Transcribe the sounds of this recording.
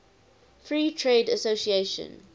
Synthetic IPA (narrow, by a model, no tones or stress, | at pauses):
fɹiːtʰɹeːdəsosieʃə̰̃n